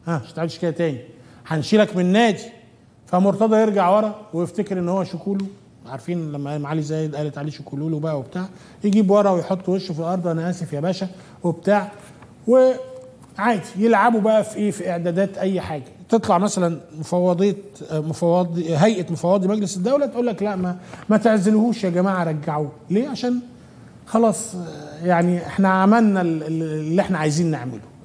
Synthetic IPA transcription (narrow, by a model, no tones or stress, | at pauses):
ʔæʃe̥t̪ʕed̪ʃe̥kæːjːæt̪æːni | ħanʃiːlækmenːæːd̪i | fæmoɾt̪ɑd̪ˤɑjeɾɡaʕwɑɾˤɑwejeft̪ekeɾʔenːhowːæʃʊkuːlo | ʕaɾˤfiːnlæmːæʔæmʕalizæːjed̪ʔæːlet̪ʕaleːʃokuːluːlobæʔæwebt̪aːʕ | jeɡiːbwɑɾˤɑwejħot̪ˤːweʃːofilʔɑɾˤd̪ˤʔænæʔæːsefjæbæːʃæ | webt̪aːʕ | we | ʕaːjd̪i̥jelʕabubæʔæfiʔeːfiʔeʕd̪æːd̪æːt̪ʔæjːħaːɡæt̪et̪ˤlɑʕmæsælænmofɑwːɑd̪ˤejːmofɑwɑd̪ˤɦæjʔæmofɑwːɑːd̪ˤimæɡlesed̪ːæwlæt̪ʔuːlːæklæʔmæmæt̪eʕzelhuːʃjæɡæmaːʕaɾˤɑɡːaʕuleːʕaʃæːn | xɑlɑːsˤjaʕniʔeħnææmænːælelːʔeħnæʕajziːnːeʕmḛlo